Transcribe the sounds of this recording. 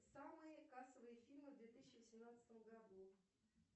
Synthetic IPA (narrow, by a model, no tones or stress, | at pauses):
samɨjəkasəvɨjəfʲilʲmɨvd̪vʲet̪ɨsʲɪɕɪvəsʲɪmnat̪sɨ̥t̪əmɡad̪u